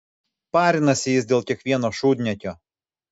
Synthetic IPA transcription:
pɑːɾʲɪnɐsʲɪjɪsʲd̪ʲeːlˠkʲiɛkʋʲiɛnoːʃuːd̪ʲnʲɛkʲoː

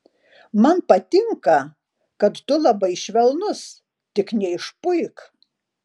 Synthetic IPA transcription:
mɐnpɐt̪ʲɪŋkɐ | kɐt̪t̪ʊlˠɐbɐɪʃʲʋʲɛlˠnʊs | t̪ʲɪknʲɛɪʃpʊɪk

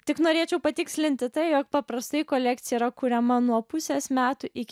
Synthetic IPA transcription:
t̪ʲɪknoːɾʲeːt͡ʃʲɛʊpɐt̪ʲɪksʲlʲɪnʲt̪ʲɪt̪ɐɪjoːk̚pɐpɾɐst̪ɐɪkoːlʲækt̪sʲɪjɛiɾɐkuːɾʲɛmɐnuɔpʊsʲeːsmʲæːt̪uʔɪkʲ

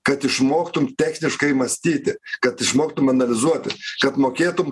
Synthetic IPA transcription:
kɐt̪ɪʃmoːkt̪ʊmt̪ʲæːxʲnʲɪʃkɐɪmɐsʲt̪ʲiːt̪ʲɪkɐt̪ɪʃmoːkt̪ʊmɐnɐlʲɪzuɔt̪ʲɪkɐt̪moːkʲeːt̪ʊm

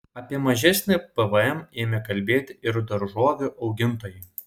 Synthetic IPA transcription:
ɐpʲiɛmɐʒʲɛsʲnʲɪpɛʋəɛmeːmʲɛkɐlʲbʲeːt̪ʲɪɾd̪ɐɾʒuɔɡʲɐʔɒʊɡʲɪnt̪oːjɛ

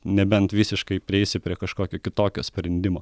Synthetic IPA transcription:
nʲɛbʲɛnt̪ʋʲɪsʲɪʃkɐɪpʲɾʲɪɛɪsʲɪpʲɾʲiɛkɐʃkoːkʲoːkʲɪt̪oːkʲoːsʲpʲɾʲɛnʲd̪ʲɪmoː

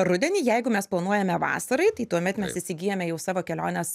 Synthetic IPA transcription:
rʊd̪ʲɛnʲiːjɛɪɡʊmʲɛsplˠɐnuɔjɛmʲɛʋɑ̰ːsɐɾɐɪt̪ɐɪt̪uɔmʲɛt̪mʲɛsɪsʲɪɡʲiːjɛmʲɛjɛʊsɑːʋoːkʲɛlʲoːnʲɛs

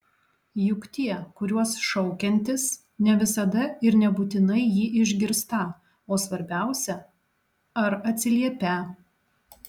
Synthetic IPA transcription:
jʊkt̪ʲiɛkʊɾʲuɔsʃɔʊkʲɛnʲt̪ʲɪs | nʲɛʋʲɪsɐd̪ɐɪɾnʲɛbʊt̪ʲɪnɐɪjiːʔɪʒʲɡʲɪɾst̪ɑ | oːsʋɐɾʲbʲæˑʊsʲɛ | ɐɾɐt̪ʲsʲɪlʲiɛpʲæˑ

